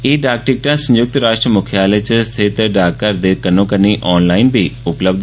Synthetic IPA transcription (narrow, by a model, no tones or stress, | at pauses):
eːɖaːk̚ʈɪk̚ʈãːsə̃njʊk̚t̪ɾaːʃʈɾəmʊkʰjaːleːt͡ʃəst̪ʰɪt̪ɖaːkːəɾd̪eːkənõːkəniːʔɔːnlaːinbʱiːʊpləbd̪